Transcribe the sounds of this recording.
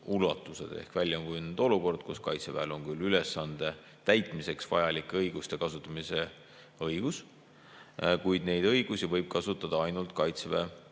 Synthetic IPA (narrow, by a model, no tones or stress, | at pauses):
ulɑt̪ːˑuse̞̰d̪̥e̞̰hkvælʲjɑŋkujnyd̪̥o̞luko̞rd̪̥̚kuskɑ̰jt̪sevæelo̞ŋkylːylesːɑnd̪̥e̞ | t̪æjt̪ˑmise̞ksvɑjɑlikːˑeɤjɡust̪ekɑsut̪ˑːɑmise̞ | ɤjɡ̥us | kujd̪̥ne̞jd̪̥ɤ̞jɡ̥usivɤjb̥̚kɑsut̪ːˑɑd̪̥ɑɑjnult̪̚kɑjt̪sve